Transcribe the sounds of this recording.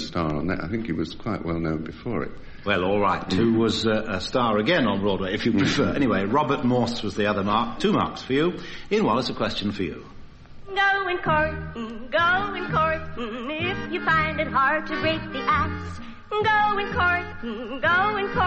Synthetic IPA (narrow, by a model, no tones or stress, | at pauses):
stɑɹə̰̃nðɨ̰ta̰ɪθɪ̃ŋkɨt̚wʌz̥kʰw̥aɪʔwɛlˠnõʊ̃nbɨfɔ̰ɹɪ̰t̚ | wɛlˠɔlˠɹaɪtʰʉwʌzəstɑɹɨɡɛ̃nə̃nɹɔːd̚weɪɨfjɨppʰɹ̥ɨfɜ˞ɛñiweɪɹɑbə˞t̚mɔɹswʌzðiʌðə˞mɑɹk̚tʰʉmɑ̰ɹksfə˞jɨɨ̃nwaɪlˠətsəkʰw̥ɛst͡ʃɨ̃n̩fə˞jʉ̰ | ɡ̥oʊɨ̃nkʰɔɹɡoʊɨ̃nkʰɔɹ | ɪfjɨfãɪ̃ndɨt̚hɑɹd̚tʰɨɡɹeɪt̪̚ðiʔæks | ɡoʊɨ̃nkʰɔɹ | ɡoʊɨ̃nkʰɔ